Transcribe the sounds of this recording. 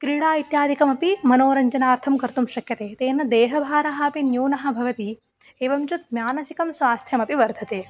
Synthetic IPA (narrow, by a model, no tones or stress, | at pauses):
kɾiːɽaːit̪jaːd̪ʱikɐmɐpimɐnoːɾɐɲd͡ʒɐnaːɾt̪ʰɐmkɐɾt̪umʃɐkjɐt̪eːt̪eːnːɐd̪eːɦɐbʱaːɾɐɦɐɐpinjuːnɐɦɐ̆bʱɐʋɐt̪i | eːʋɐmt͡ʃut̪̚mjaːnɐsikɐmsʋaːst̪ʰjɐmɐpiʋɐɾd̪ʱɐt̪eː